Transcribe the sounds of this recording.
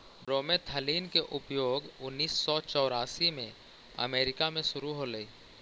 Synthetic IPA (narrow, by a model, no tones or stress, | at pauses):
bɾoːmet̪ʰəliːnkeʔʊpjoːɡʊnːiːsːɔt͡ʃɔːɾaːsimẽ | ə̰meːɾɪkamẽʃʊɾuɦoləiː